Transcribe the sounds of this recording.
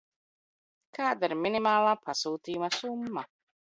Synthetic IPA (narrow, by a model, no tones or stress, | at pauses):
kʰaːd̪iɾminimaːlˠaːpʰasuːt̪iːjumasumːa